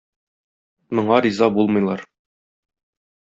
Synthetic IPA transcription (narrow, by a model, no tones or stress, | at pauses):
mŏɴɑɾizɑbulˠmɤ̆jlˠɑɾ